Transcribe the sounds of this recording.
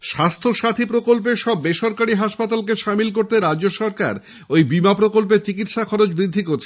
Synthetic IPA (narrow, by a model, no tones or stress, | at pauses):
ʃast̪ʰoʃat̪ʰipɾokolp̬eʃɔbːeʃɔɾkaɽiɦaʃpat̪alk̬eʃamilk̬oɾt̪eɾad͡ʑːoʃɔɾka̰ɾ | ojbimapɾokolp̬et͡ɕikit̪ʃakʰɔɾot͡ɕbɾid̪ʱːikoɾt͡ɕʰe